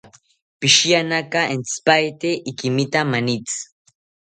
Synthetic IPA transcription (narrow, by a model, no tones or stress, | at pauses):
piʃianakaent͡spajt̪eʔikimit̪amanit͡s